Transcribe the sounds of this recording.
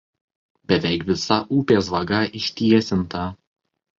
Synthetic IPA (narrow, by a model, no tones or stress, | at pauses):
bʲɛʋʲɛɪkʋʲɪsɐʔuːpʲeːs̬ʋɐɡɐʔɪʃʲt̪ʲiɛsʲɪnt̪ɐ